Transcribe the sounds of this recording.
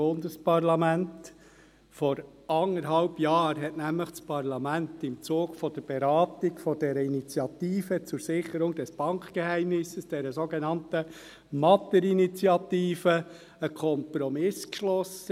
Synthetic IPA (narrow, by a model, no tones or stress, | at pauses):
ʊnd̪əspɑrlɑmænt | fɔɾ | ɑŋəɾɦɑlbjɑːɾɦɛtnæmləχt͡spʰɑɾlɑmænt̪ɪmt͡soːɡfɔd̥əɾb̥ɛɾɑːtiɡfɔd̥ɛɾəinit͡sjɑt̪iːfət͡sʊɾsɪχːəɾʊŋdɛsb̥ɑŋkχkehæɪmnɪsəsd̥ɛɾəsoɡenɑntə | mɑt̪əɾinit͡siɑtiːfə | əkʰɔmpɾɔmɪskʃlɔsə